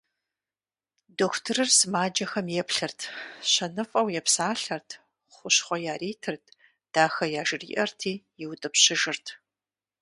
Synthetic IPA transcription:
doːkʷʰtʰɨrɨrsɨmaːd͡ʒɐxɐmjɛpɬɨrtʰɕɐnɨfʼɐwjɛpsaːɬɐrtʰ | χʷʊɕχʷɔjaːreːtʰɨrtʰ | d̥aːxɐjaːʒɪrḭːʔɐrtʰiːjɛwtʼɨpɕɪʒɪrtʰ

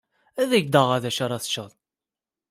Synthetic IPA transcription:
æðæʝd̪əʁæðæʃaɾˤɑθə̥t͡ʃːəðˤ

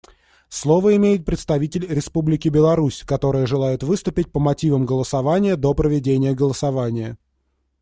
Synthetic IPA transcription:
slˠo̞vəɪmʲejɪt̪̚pɾʲɪt̪st̪ɐvʲitʲɪlʲɾʲɪspublʲɪkʲɪbʲɪlˠɐɾusʲkɐt̪o̞ɾɨjəʐɨlˠajɪt̪vɨst̪ʊpʲɪt̚ʲpəmɐtʲivəmɡəlˠəsɐvanʲɪjəd̪o̞pɾəvʲɪdʲenʲɪjəɡəlˠəsɐvanʲɪjə

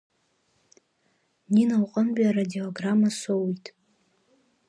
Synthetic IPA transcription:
ninawqʼəmbaradioɡramasowjtʼ

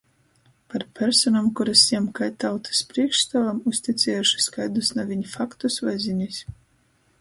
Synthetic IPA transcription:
paɾpʲɛɾsɔnamkuɾasiɛmkajt̪awt̪ɨ̥spɾiɛkʃst̪avamusʲt̪ʲit̪sʲɛjuʃi̥skajd̪usnavʲiɲfakt̪usvazʲinʲisʲ

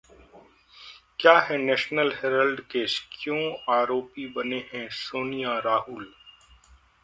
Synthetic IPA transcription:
kjaːɦɛnɛːʃnəlɦeːɾəlɖkeːʃkjõːaːɾoːpibɐneɦɛ̃soːnijaɾaːʔʊl

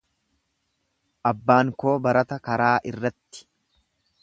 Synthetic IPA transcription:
ʔɐbːaːŋko̞ːbɐɾɐt̪ɐkɐɾaːʔɪrːɐt̪ːɪ̥

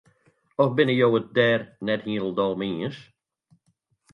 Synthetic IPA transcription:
ɔfbɪnəjowədɛɾnɛd̥̚hĩːl̩ˠd̪ɔlˠmĩːs

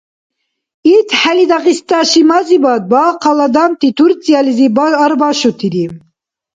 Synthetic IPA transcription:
it̪ħælid̪ɑqist̪ɑʃimɑzibɑd̪̚bɑqʰɑlɑd̪ɑmt̪it̪ʰuɾt͡sijɑlizibɑɑɾbɑʃut̪ʰiɾi

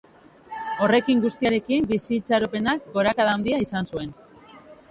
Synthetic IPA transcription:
o̞re̞kiŋɡust̪iaɾe̞kimbisit͡saɾope̞nak̚ɡo̞ɾakaðand̪iaisansue̞n

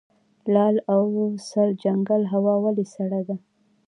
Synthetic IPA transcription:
lɑlawsald͡ʒaŋɡalɦawɑwalisaɽad̪a

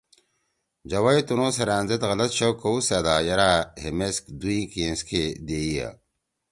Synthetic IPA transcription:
d͡ʑɐwɐit̪unõːseɾaːnzet̪ɣɐlɐt̪ɕokːousad̪aːjɐɾaːhemeskd̪uĩkiẽnskʰed̪eːija̰

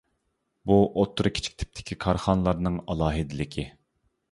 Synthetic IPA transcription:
buʔot̪ʰːɾɨkʲʰi̥t͡ʃʰi̥kʲt̪ʰɪ̥p̚t̪ʰɪ̥kʲʰikʰɑɾχɑnlˠɑɾnɨŋɑlˠɑːɦɪd̪ɪlɪkʲʰɪ

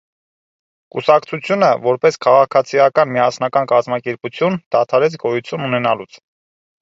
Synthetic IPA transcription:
kṵsɑkt͡sʰut͡sʰjunəvɔɾpɛskʰɑʁɑkʰɑt͡sʰijɑkɑnmiɑsnɑkɑnkɑzmɑkɛɾput͡sʰjund̪̥ɑt̪ʰɑɾɛt͡sʰɡɔjut͡sʰjununɛnɑlut͡sʰ

